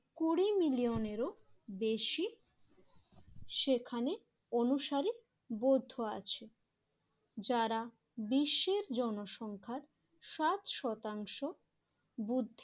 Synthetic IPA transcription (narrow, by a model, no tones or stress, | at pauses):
kuɽimilioneɾobeʃi | ʃekʰane | onuʃaɾi | bod̪ʱːoa̰t͡ɕʰe | d͡ʑaɾa | biʃːeɾd͡ʑɔnoʃɔŋkʰaɾ | ʃat̪ʃɔt̪aŋʃo | bud̪ʱː